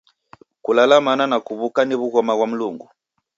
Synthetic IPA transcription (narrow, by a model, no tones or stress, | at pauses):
kulalamananakuβukaniβuɣɔmaɣwam̩luŋɡu